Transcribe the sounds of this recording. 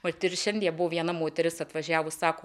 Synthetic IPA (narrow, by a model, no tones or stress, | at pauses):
mɐlʲt̪ʲɪɾʲʃʲɛnʲd̪ʲijɛbʊʋoʋʲiɛnɐmoːt̪ʲɛɾʲɪsɐt̪ʋɐʒʲæːʋʊssɑːkoː